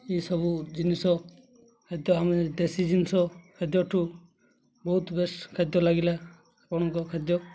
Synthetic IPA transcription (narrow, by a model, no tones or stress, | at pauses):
esɔbud͡ʒinisɔ | kʰed̪jɔamed̪esid͡ʒinisɔkʰed̪jɔʈʰu | bɔɦut̪beskʰad̪jɔlaɡila | apɔɽ̃ɔŋkɔkʰad̪jɔ